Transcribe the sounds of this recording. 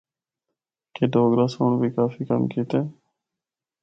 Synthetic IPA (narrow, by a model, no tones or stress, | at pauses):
keːd̪ʱoːɡɾaːsoɳbʱiːkaːfiːkə̰mkiːt̪ẽː